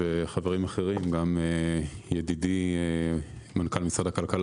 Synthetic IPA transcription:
eχaveʁimaχe̞ʁimɡamejedidi | mankalmisʁad̪akalkal

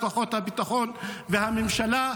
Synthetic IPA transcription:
faχo̞t̪habit̪aχo̞nvehamemʃala

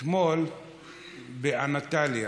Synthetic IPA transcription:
mol | beʔanat̪alja

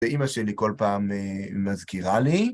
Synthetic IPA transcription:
eʔimaʃeliko̞lpaːmeːazkiʁali

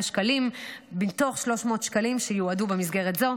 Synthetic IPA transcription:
ʃkalimbinto̞χʃlo̞ʃmo̞ːt̪ʃkalimʃejuadubemisɡe̞ʁetzo̞

